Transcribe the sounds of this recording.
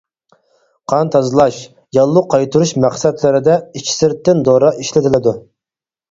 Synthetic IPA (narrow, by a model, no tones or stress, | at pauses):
qʰɑnt̪ʰɑzɨlˠɑʃ | jɑlˠːuqʰɑjt̪ʰuɾuʃmæχsɛd̪lɪɾɪd̪ɛit͡ʃʰi̥sɪɾt̪ːɪnd̪oɾɑʔiʃlɪt̪ʰɪlɪd̪u